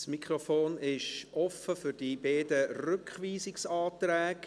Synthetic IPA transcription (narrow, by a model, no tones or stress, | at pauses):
smikʰɾofoːnɪʃʔɔfəfʏɾd̥ibeːdərʉkχʋiːsɪksɑːt̪ɾæːk